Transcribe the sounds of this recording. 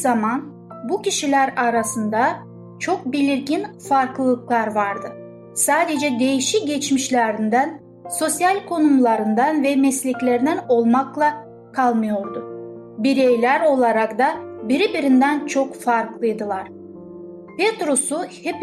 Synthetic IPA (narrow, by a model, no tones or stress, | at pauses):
zaman | buciʃilʲæɾaɾasɯnd̪a | t͡ʃʰo̞k̚bilʲiɾɟinfaɾklˠɯklˠaɾvaɾd̪ɯ | saːd̪e̞d͡ʒɛd̪e̞jiʃiɟet͡ʃmiʃlʲæɾind̪æn | so̞sjalʲkʰo̞numlˠaɾɯnd̪anvɛmɛslʲiclʲeɾid̪æno̞lˠmaklˠa | kʰalˠmɯjo̞ɾd̪ʊ | biɾejlʲæɾo̞lˠaɾakd̪abiɾibiɾind̪ænt͡ʃʰo̞kfaɾklˠɯjd̪ɯlˠaɾ̥ | pet̪ɾusuhep